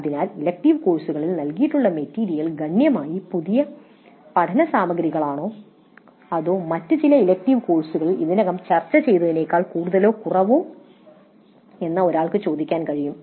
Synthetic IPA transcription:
ɐðinaːlilek̚ʈiʋko̞ːɭsuɣɐɭilnɐlkijiʈːuɭːɐmetːiːɾijɐlɡɐɳjɐmaːjipuðijɐ | pɐʈʰɐnɐsaːmɐɡɾiɣɐɭaːɳoː | ɐðoːmɐtːɨt͡ɕilɐilek̚ʈiʋko̞ːɭsuɣɐɭḭðinɐɣɐmt͡ɕɐrt͡ɕːɐt͡ɕe̞jt̪ɐðine̞ːkːaːɭkuːɽuðɐlo̞ːkurɐʋoː | e̞nːɐo̞ɾaːɭkɨt͡ɕo̞ːd̪ikʲːaːnkɐɻijum

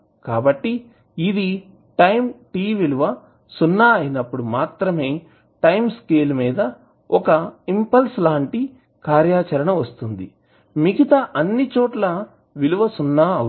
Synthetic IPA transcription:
kaːbɐʈːiː | d̪i | ʈɐjmʈiːʋiluʋɐ | sunːaːɐjinɐpːuɽumaːt̪ɾɐme̞ː | ʈɐjmskeːlmiːd̪ɐ | ɔkɐimpɐlslaːɳʈi | kaːɾjaːt͡ʃɐɾɐɳɐʋɐst̪und̪i | miɡit̪ɐʔɐnːit͡ʃoːʈlɐ | ʋiluʋɐsunːaːɐ

